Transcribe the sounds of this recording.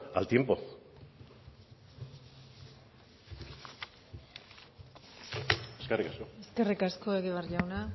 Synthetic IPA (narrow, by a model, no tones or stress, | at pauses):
a̰lt̪je̞mpo̰ | eskerikaskoeskerikaskoeɣeβarʎawna